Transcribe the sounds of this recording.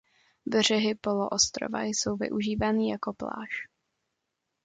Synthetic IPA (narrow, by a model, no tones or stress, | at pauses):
br̝ɛɦɪpo̞loʔost̪ɾo̰va̰jso̞wvɪ̰ʔuʒiːvaːniːjako̞pla̰ːʃ